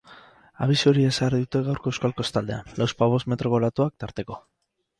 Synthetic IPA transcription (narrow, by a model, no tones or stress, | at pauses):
a̰β̞isuoɾie̞sariðut̪e̞ɣawɾko̞ewskalkost̪ald̪e̞a̰nlawspaβ̞o̞sme̞t̪ɾo̞ɣo̞lat̪uak̚t̪aɾt̪e̞ko̞